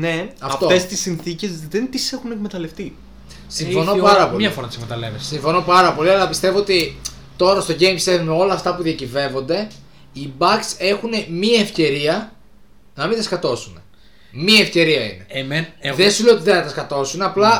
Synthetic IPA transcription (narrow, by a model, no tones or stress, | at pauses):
neɐfft̪oest̪isinθice̞zðent̪isexunekmet̪ɐle̞ft̪i | siɱfo̞no̞pɐɾɐpolmɲɐfoɾɐt̪isekmet̪ɐlevessiɱfo̞no̞pɐɾɐpo̞liɐlɐpist̪evoo̞t̪i | t̪o̞ɾɐst̪o̞ɟe̞jmsevmo̞lɐːft̪ɐpuðiɐcive̞vo̞nd̪e̞ | ibɐkse̞xune̞miɐefce̞ɾiɐ | nɐmint̪ɐskɐt̪o̞sune̞ | miefce̞ɾiɐḭne̞enðesuleot̪iðeθɐt̪ɐskɐt̪o̞sunɐplɐ